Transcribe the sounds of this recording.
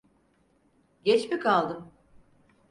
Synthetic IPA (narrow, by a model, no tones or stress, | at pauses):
ɟɛt͡ʃmikʰalˠd̪ɯm